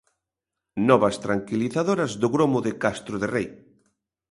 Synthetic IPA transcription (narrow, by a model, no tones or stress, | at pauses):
nɔβɐst̪ɾaŋkiliθaðoɾɐzðʊɣɾomʊðɪkast̪ɾʊðerej